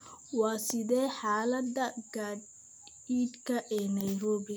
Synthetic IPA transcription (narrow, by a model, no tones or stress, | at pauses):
wɑːsɪðɛːħaːlɐd̪ɐɡad̪ | iːd̪kʰɐʔɛːnɐjɾɔːβɪ